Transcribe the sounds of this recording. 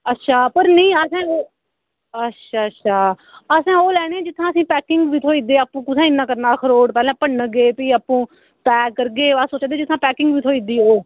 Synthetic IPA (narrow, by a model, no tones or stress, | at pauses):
ətːʃʰaːpəɾnəĩːəsɛ̃ː | ətːʃʰaːətːʃʰaː | əsɛ̃ːoːlɛːɽ̃eːɛ̃ːd͡ʒɪt̪ʰːãːəsĩːpɛːkɪŋɡʋiːt̪ʰoːiːd̪eːaːpũːkʊsɛ̃ːɪnːãːkəɾnaːkʰəɾoːɽpɛːlɛ̃ːpəɽnəɡeːpiːaːpũː | t̪ɛːkːəɾɡeːasoːt͡ʃãːd̪eːd͡ʒɪt̪ʰːãːpɛːkɪ̃ŋɡʋiːt̪ʰoːiːd̪iːoː